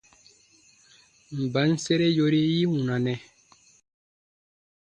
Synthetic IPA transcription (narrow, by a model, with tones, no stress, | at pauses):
m̩˨ba˨˦n̩˦se˦ɾe˦jo˦ɾi˦ji˦wũ˨na˨nɛ̃˨